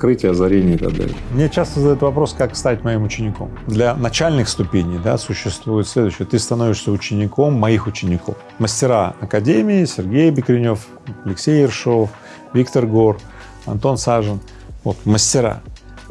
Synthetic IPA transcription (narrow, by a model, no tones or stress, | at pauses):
kɾɨtʲɪjəɐzɐɾʲenʲɪːt̪a̰ɡ̚d̪a̰lʲɪmnʲe̞t͡ɕast̪əzəd̪ɐjut̪vɐpɾo̞skakst̪aɪtʲmɐimʊt͡ɕɪnʲɪko̞̰md̪lʲɐnɐt͡ɕælʲnɨxst̪ʊpʲenʲɪjd̪a̰sʊɕːɪst̪vujɪt̪sʲlʲe̞d̪ʊɕːɪjət̪ɨst̪ɐnovʲɪʂsʲəʊt͡ɕːɪnʲɪkʰo̞mːɐixʊt͡ɕːɪnʲɪko̞̰f | məsʲtʲɪɾaɐkɐdʲemʲɪɪsʲɪrɡʲejbʲɪkɾʲɪnʲo̞f | ɐlʲɪksʲejɪrʂo̞f | vʲikt̪ərɡo̞r | ɐ̰nt̪o̞nsaʐɨn | vo̞t̪məsʲtʲɪɾa̰